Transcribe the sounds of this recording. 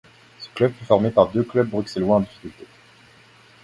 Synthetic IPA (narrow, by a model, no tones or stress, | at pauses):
sə̥klœbfyfɔʁmepaʁd̪øklœb̚ːʁyksɛlwɛ̃ɑ̃d̪ifi̥kʲylt̪e